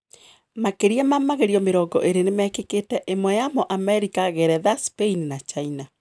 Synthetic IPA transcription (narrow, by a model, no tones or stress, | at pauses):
makeɾiɛmamaɣeɾiɔmeɾɔːɡɔʔeɾenemɛkeketɛʔemwɛjamɔʔamɛɾikaɣɛɾɛðaspeininat͡ʃaina